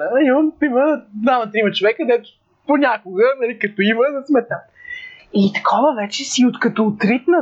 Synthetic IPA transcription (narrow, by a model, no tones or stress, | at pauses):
əiɔnp̪iməamɐt̪ɾimət͡ʃovɛkəd̪ɛt̪ʊ̥ | ponʲakʊɡənɐlikɐt̪ɔiməzɐsmɛt̪a | it̪ɐ̥kʰɔvəvɛt͡ʃɛsiot̪kɐt̪ɔːt̪ɾit̪nə